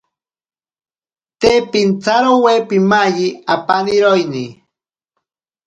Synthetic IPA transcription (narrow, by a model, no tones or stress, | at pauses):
t̪epint͡saɾowepimaʎiapaniɾojni